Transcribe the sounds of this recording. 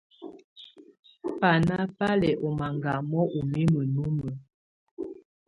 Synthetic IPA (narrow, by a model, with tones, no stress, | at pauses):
pa˨na˦pa˦lɛ˨ʔɔ˨ma˨ŋɡa˨mɔ˦ʔo˨mi˦mə˨nu˦mə˨